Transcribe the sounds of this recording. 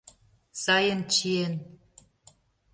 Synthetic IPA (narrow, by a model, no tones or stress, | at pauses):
sɑjənt͡ɕien